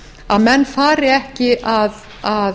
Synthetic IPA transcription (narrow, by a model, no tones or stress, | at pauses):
aðmɛnːfaːɾɪɛhcɪʔað | a